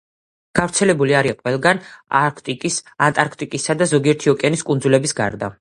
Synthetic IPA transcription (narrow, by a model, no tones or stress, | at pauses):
ɡ̥avɾt̪sʰɛlɛbuliaɾiaqʼwɛlˠɡanakʰt̪ʼiisant̪ʼaɾkʰt̪ʼikʼisad̪azɔɡiɛɾt̪ʰiɔkʼɛniskʼunzulɛbisɡa̰ɾd̪a̰